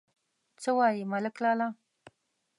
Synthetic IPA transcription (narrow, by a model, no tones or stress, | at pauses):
t͡səwɑjimalɪklɑlɑ